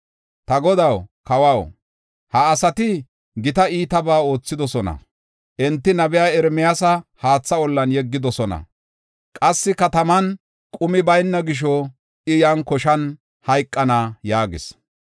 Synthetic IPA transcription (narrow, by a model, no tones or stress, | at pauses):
t̪ɐɡɔd̪ɐwkɐwɐw | hɐːsɐt̪ɪ | ɡɪt̪ɐiːt̪ɐbaːo̞ːt͡sːɪd̪ɔsɔnɐ̰ | ʔɛnt̪ːɪnɐbɛjaːɛɾmɛjasɐhaːt͡sːɐɔlːɐnjɛɡːɪd̪ɔsɔnɐ̰ | kʼɐsːɪkɐt̪ɐmɐn | kʼʊmɪbɐjnːɐɡɪʃ̬ɔ | ʔɪjankɔʃɐn | hɐjkʼːɐnaːjaːɡɪs